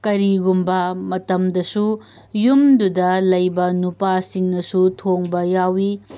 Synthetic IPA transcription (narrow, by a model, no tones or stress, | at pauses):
kɐɾiɡumbɐmɐtɐmdɐsu | jumdudɐlɐjbɐnupasiŋnɐsutʰoŋbɐjawi